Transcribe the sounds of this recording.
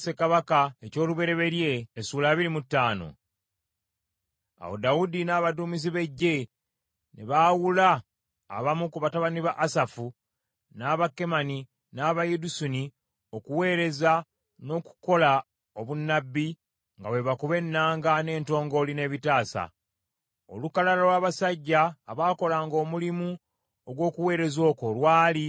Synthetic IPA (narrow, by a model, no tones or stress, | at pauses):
se̞kaβakaeco̞ːluβe̞ɾe̞βe̞ɾje̞ːsuːlaːβiɾimutːaːno̞̰ | a̰wo̰dawudinaːβaduːmiz̬iβe̞ɟːe̞ | nḛβawula̰ː | βamukuβataβaniβaʔasafu | naːβakːe̞mani | naːβajedusuni | o̞kuwe̞ːɾe̞za | no̞ku̥ko̞la | o̞βunːabːi | ŋɡawe̞βakuβe̞nːaːŋɡane̞ːnto̞ːŋɡo̞line̞ːβitaːsa̰ | o̞̰lukalalalwaːβasaɟːaːβaːko̞laːŋɡo̞mulimu | oɡwo̞ːkuwe̞ːɾe̞zo̞ːko̞lwaːli